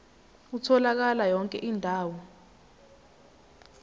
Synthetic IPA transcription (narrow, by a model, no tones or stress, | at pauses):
utʰɔlak̬alajɔŋkʼɛʔiːndʱaːwɔ